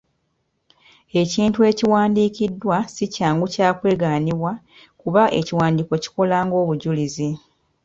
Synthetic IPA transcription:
e̞ciːntue̞ːciwaːndiːcidːwasicaːŋɡucaːkwe̞ːɡaːniβwa | kuβaʔe̞̰ciwaːndiːko̞ci̥ko̞laːŋɡo̞ːβuɟulizi

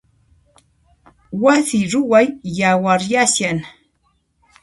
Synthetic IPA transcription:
waθiɾʊwajjawaɾjasjan

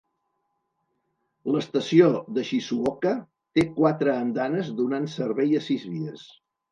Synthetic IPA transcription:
ləst̪əsioðəʃisuɔkə | t̪ekwat̪ɾəːnd̪anəzd̪unansəɾβɛjəsizβiəs

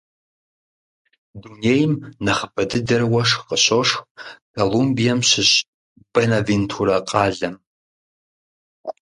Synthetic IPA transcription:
duneːjmnɐχəpɐdɨdɐrwɐʂqəɕoʂxsɐlumbijɐmɕɪɕʼ | b̥ɐnavintʰuɾɐqʼɑːɮɐm

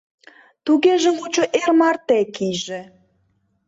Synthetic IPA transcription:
t̪uɣeʒə̆mkot͡ɕoʔermɑrt̪ekijʒĕ

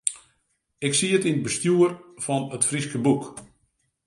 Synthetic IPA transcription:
ɪksiətinət̚bəstjuərfɔnətfriskəbuk

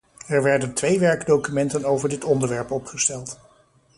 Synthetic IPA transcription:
ɛɹʋɛɹdəntʋejʋɛɹɡdowkymɛntənowvəɹdɪtɔndəɹʋɛɹpɔpχəstɛlˠt

